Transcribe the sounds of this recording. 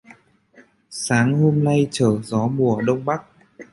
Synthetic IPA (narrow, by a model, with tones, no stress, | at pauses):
saː˨˦ŋho˧mna˧jt͡ɕəː˧˩zɔ˨˦mu˨˩əɗə˧wŋ͡mɓa˦˥k̚